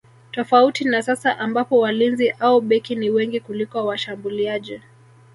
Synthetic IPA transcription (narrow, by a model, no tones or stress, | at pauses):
tɔfautinasasaʔambapɔwalinziʔauɓɛkiniwɛŋɡikulikɔwaʃambuliaʄi